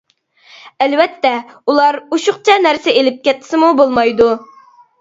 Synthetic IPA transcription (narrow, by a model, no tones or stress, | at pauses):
ælwɛt̪ːɛulˠɑɾuʃʊχt͡ʃʰɑnæɾsɪelɪp̚kʲɛt̪ʰːɪ̥sɪmubolˠmɑjd̪u